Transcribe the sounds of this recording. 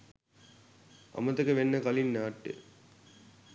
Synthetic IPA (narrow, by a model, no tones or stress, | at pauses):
ɐ̰mət̪ɐkeʋenːəkɐlinːaːʈːḛ